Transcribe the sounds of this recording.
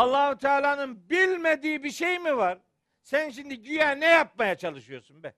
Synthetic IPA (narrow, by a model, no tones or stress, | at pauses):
alˠːaːhut̪ʰaːlʲaːnɯnbilʲmed̪iːbiʃejmivaɾ | sænʃimd̪iɟyjæːnɛjap̚majat͡ʃʰalˠɯʃɯjo̞sunbɛ